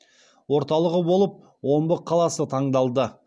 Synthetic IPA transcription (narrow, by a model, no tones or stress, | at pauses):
wo̞ɾt̪ɑlˠəʁəbolˠəp̚ | wo̞mbəqʰːɑlˠɑsət̪ʰɑɴd̪ɑlˠd̪ə